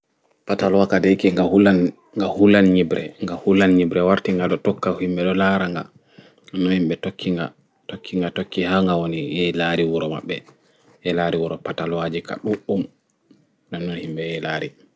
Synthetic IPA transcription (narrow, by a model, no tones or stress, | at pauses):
patalwakadejkiŋɡahulan | ŋɡahulanɲibɾɛŋɡahulanɲibɾɛwaɾtiŋɡaɗɔtɔkːahimɓɛɗɔlaɾaŋɡa̰ | anːɔnhimɓɛtokʰːiŋɡa | tokʰːiŋɡatokːihaŋɡawonijɛlaɾiwuɾɔma̰ɓːɛ̰ | jɛlaɾiwuɾɔpatalwad͡ʒika̰ɗuʔum | nanːɔnhimɓɛɛlaːɾi